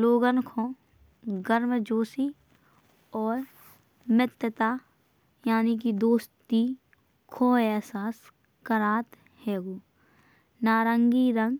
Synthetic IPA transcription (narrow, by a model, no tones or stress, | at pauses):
loːɡənkʰõː | ɡəɾməd͡ʒoːsi | ɔːɾ | mɪt̪jət̪aː | jaːnik̬id̪oːst̪i | kʰoːɛsaːs | kəɾaːt̪ | hɛːɡoː | naːɾəŋɡiɾə̃ŋɡ